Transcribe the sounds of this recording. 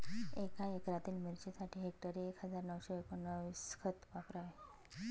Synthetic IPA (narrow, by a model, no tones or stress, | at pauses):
ekaekɾat̪iːlmiɾt͡ɕesaʈʰiːɦek̚ʈəɾiekɦəd͡zaɾnəwɕeekonːəʋiskʰət̪ʋapɾaʋe